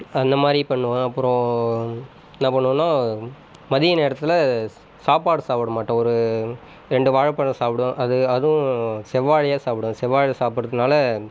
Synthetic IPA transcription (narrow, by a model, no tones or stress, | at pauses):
ɐnd̪ɐmaːd̪ɾipɐɳːɯʋɐ̃ɐpːɯɾɔ̃ | nːãːpɐɳːɯʋɐ̃nːaː | mɐðɪjɐneːɾɐt̪ːɪlɐ | saːpaːɽɯsaːpɯɽɐmaːʈːɐ̃ɔɾɯ | ɾɛɳɖɯʋaːɻɐpːɐɳɐ̃saːpɽʊ̃ʔɐðɯɐðʊ̃sɛʋːaːɻɐjaːsaːpɽʊ̃sɛʋːaːɻsaːpɯɾɐðɯnaːlɐ